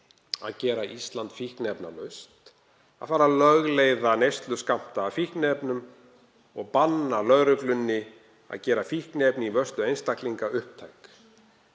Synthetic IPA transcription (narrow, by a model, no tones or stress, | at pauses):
a̰ðcɛːɾaʔist̪lant̪fihknɛpna̰lœɥst̪ | aðfaːɾalœɣlejðanejst̪lʏskam̥t̪aːfihknɛpnʏm | ɔɣpanːalœɣɾʏflʏnːɪ | a̰ðcɛːɾafihknɛpnɪivœst̪lʏejnst̪ahkliŋkaʏhp̚t̪ʰajk